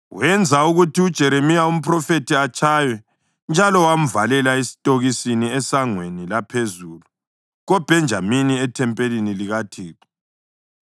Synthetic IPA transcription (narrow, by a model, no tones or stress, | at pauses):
wɛnd͡zʱauɣutʰiud̥ʒ̥ʱɛɾemijaum̩pʰʼrɔfetiat͡ʃʰʼaːjwɛ | nd͡ʒʱalɔwam̩valɛlaesi̥tʼoɣisiniɛsaŋwenilapʰezulu | ɣɔb̥ʱɛnd͡ʒʱaminiɛtʰɛmpʼeliniliɣatʰiːtʰʼɔ̥